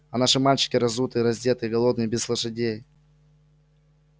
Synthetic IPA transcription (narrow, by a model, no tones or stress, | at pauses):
ɐnaʂɨmalʲt͡ɕɪ̥kʲɪɾɐzut̪ɨjɾɐzʲdʲet̪ɨjɡɐlˠo̞d̪nɨjbʲɪslˠəʂɨdʲej